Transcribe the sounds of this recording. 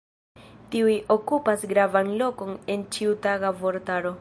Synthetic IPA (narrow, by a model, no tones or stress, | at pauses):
tiujo̞kupasɡɾavanlo̞ko̞ne̞nt͡ʃiutaɡavo̞ɾtaɾo̞